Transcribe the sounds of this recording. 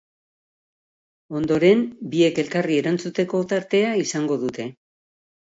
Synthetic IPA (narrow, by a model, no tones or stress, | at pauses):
o̞nd̪o̞ɾe̞mbie̞ke̞lkarie̞ɾant͡sut̪e̞ko̞t̪aɾt̪e̞aisaŋɡo̞ðut̪e̞